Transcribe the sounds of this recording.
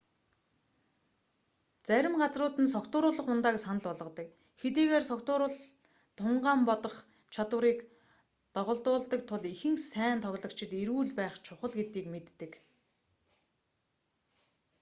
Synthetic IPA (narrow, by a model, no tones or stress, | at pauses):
t͡sæɾʲɪ̆mɢat͡srʊːt̪ɘ̆ns̬ɔkt̪ʊːɾʊːɮə̆χʊnt̪aːksanə̆ɮʊɮʁɞ̆t̪ə̆k | xet̪iːɣeːrsɔkt̪ʊːɾʊ̆ɮ | t̪ʰʊɴɢaːmpɔt̪ɞ̆χ | t͡ɕʰat̪wə̆ɾiːk | t̪ɔʁɞ̆ɮt̪ʊːɮt̪ə̆k̚t̪ʰʊɮixɘ̆ŋsæːnt̪ʰɔɣɮɞ̆k̚t͡ɕʰɪ̆t̪eɾuːɮpæːχt͡ɕʰʊχə̆ɮɡet̪iːkmet̪ːɘ̆k